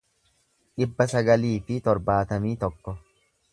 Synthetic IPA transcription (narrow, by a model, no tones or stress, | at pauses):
ᶑɪbːɐsɐɡɐliːfɪt̪ɔɾbaːt̪ɐmiːt̪ɔkːɔ